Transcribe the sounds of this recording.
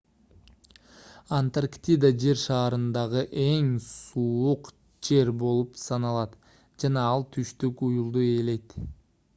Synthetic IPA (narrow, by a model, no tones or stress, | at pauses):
ɐnt̪arkt̪ʲid̪ad͡ʒe̞ɾʃɑːɾɯnd̪ɑʁɯʔe̞ŋsuːuq | d͡ʒe̞ɾbo̞lˠupsɑnɑlˠɑt̪ | d͡ʒɑnɑɑlˠt̪ʰyʃt̪ykujulˠd̪ue̞ːle̞jt̪